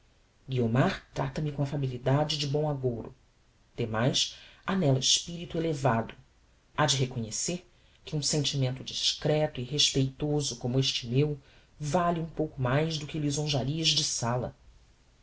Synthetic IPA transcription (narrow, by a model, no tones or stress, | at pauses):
ɡiomaɾt̪ɾat̪ɐmɪkõɐfabilid̪ad͡ʒɪd͡ʒɪbõw̃aɡoɾʊ̰ | d̪̥emajsanɛlɐɪʃpiɾit̪uelevad̪ʊ | ad͡ʒɪɦekoɲeseɾ | kɪũsẽnt͡ʃimẽnt̪ʊd͡ʒiʃkɾɛt̪ʊiɦeʃpejt̪ozʊkõmʊeʃt͡ʃɪmew | valiũpowkʊmajzd̪ʊkɪlizõʒaɾiɐzd͡ʒɪsalɐ̰